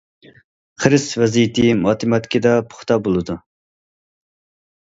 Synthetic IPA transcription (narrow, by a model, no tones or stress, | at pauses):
χəɾɪsvɛzijit̪ʰɨmɑːt̪ʰɪmɑt̪kʲid̪ɑpʰʊ̥χt̪ɑbolˠɨd̪u